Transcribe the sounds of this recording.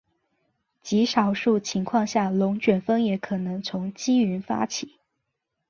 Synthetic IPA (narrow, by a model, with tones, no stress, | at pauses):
t͡ɕi˧˥ʂɑ˨˩ʊʂu˥˩t͡ɕʰi˧˥ŋkʰwɑ˥˧ŋɕja˥˩lʊ˧˥ŋt͡ɕʰɥɛ˨˩nfə˥ŋjɛ˧˥kʰɤ˨˩nɤ˧˥ŋt͡sʰʊ˧˥ŋt͡ɕi˥y˧˥nfa̰˥t͡ɕʰi˨˦